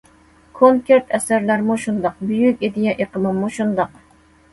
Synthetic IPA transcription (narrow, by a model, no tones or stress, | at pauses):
kʰoŋkʲeɾt̪ʰɛsæɾlæɾmuʃund̪ɑq̚byjykʲid̪ɪjɛʔeqəmɨmːuʃund̪ɑq